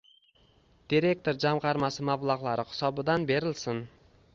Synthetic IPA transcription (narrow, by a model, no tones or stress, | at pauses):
d̪̥iɾe̞k̚t̪ʰo̞ɾd͡ʒamʁɑɾmasɪmablˠaʁlˠaɾɪχɪ̥sɒbɪd̪anbe̞ɾɪlsɪn